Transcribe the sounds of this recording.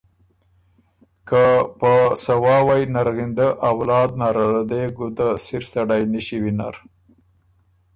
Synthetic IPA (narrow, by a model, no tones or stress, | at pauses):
kapəsawɑwajnaɾɣind̪əʔawlɑd̪̚naɾaad̪eɡud̪asiɾsaɽajniʃiwina̰ɾ